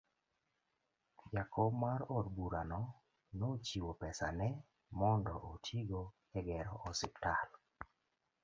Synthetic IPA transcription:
pjakɔmaɾɔdbuɾanɔ | not͡ʃiwopɛsanɛ | mɔndɔʔotʰiɡo | ɛɡɛɾɔʔɔsɪptal

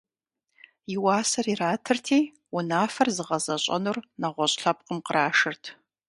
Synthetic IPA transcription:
jɪwaːsɐriraːtʰɨrtʰiː | ʊnaːfɐrzɨʁɐzɐɕʼɐ̰nurnɐʁʷɔɕʼɬɐp̚ʼqəmqəɾaːʂɨrtʰ

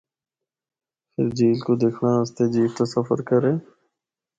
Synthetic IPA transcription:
pʰɪ̰ɾd͡ʒiːlkod̪eːkʰnaːəst̪ed͡ʒiːft̪osɐfə̰ɾkəɾẽː

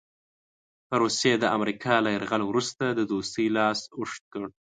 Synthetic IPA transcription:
pəɾusjed̪əʔamɾikʰɑlajaɾɣalwɾust̪ad̪əd̪ost̪əjlɑsʊʂt̪̚kəɽ

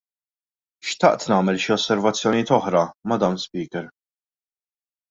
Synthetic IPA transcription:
ʃt̪ɐ̰ʔt̪nɐːmɛlʃiɔsːɛɾvɐt͡sːjɔnijɪːt̪ɔħɾɐmɐd̪ɐːmlspiːkɛɾ

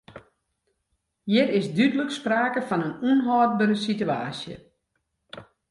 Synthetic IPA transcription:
jɪtɪsdydələkspraːkəfɑnənunɦɔːt̚bəɾəsitya̰ːsjə̰

